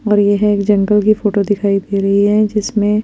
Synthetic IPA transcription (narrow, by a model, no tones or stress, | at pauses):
ɔːɾjeɦɛ̃eːkd͡ʒɐ̃ŋɡəlkifoːʈod̪ɪkʰaːid̪eːɾɐɦiɦɛd͡ʒɪsmẽ